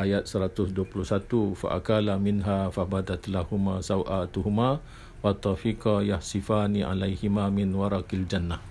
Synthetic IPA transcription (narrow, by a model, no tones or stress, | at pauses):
ʔajat̪̚səɾat̪ʊsduapuluhsat̪ufa̰ʔa̰kalamɪnɦafabad̪at̪lahumasawʔat̪uɦuma | wat̪ːɔfikɑjahsifaniʔa̰lajhimamɪnwaɾˤɑkald͡ʒanːa